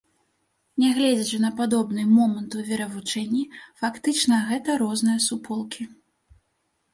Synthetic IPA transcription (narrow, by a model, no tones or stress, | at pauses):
nʲɛɣlʲɛd͡zʲɛt͡ʂɨnɐpad̪ɔbnɨmɔmɐnt̪uvʲɛɾɐvut͡ʂɛnʲːifakt̪ɨt͡ʂnɐɣɛt̪ɐɾɔznɨjɐsupʰɔlˠkʲʰi